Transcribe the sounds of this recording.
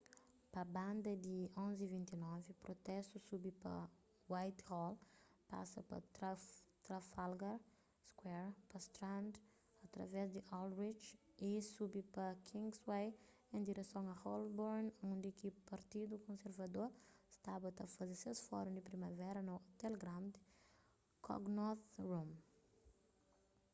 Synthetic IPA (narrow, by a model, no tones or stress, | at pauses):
pɐbãnd̪ɐd̪iõnzivĩnt̪inɔvipɾot̪ɛst̪usubipɐ̰ | wajt̪hɔlpa̰sɐpɐ̰t̪ɾat̪ɾafalɡɛɾ | skwɛɾpɐst̪ɾãnd̪ | ɐt̪ɾɐ̰vɛzd̪iʔɔlɾit͡ʃisubipɐkʰĩŋɡswej | ẽd̪iɾesõw̃ɐhɔlbɔɾnũnd̪ikipɐɾt̪id̪ukõseɾvɐd̪oɾst̪abɐt̪ɐfɐzeɾsesfɔ̰ɾũd̪ipɾimɐvɛɾɐnut̪eleɡɾãmd̪ | kʰɔ̰ɡnɔθɾũm